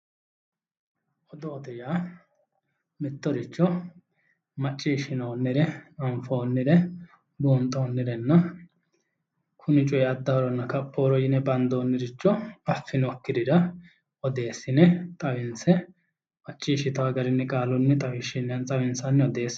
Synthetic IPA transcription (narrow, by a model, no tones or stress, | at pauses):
ʔɔd̪ɔːd̪ɛjaː | mɪt̪ːɔɾɪt͡ʃːɔ | mɐt͡ʃʼːiːʃɪnoːnːɪɾɛnɐmfo̞ːnːɪɾɛ | buːnt̪ʼːo̞ːnːɪɾɛnːɐ | kʰʊnɪt͡ʃʼɔjɛɐd̪ːɐɾɔnːɐkɐpʼːoːɾɔjɪnɛbɐnd̪o̞ːnːɪɾɪt͡ʃːɔɐfːɪnɔkːɪd̪ɪɾɐ | ɔd̪e̞ːsːɪnɛt̪ʼɐwɪnsɛ | mɐt͡ʃʼːiːʃɪt̪ɐwɐɡɐɾɪnːɪkʼaːlɔnːɪt̪ʼɐwɪʃɪnːɐnt͡sʼɐwɪnsɐnːɪɔd̪e̞ːs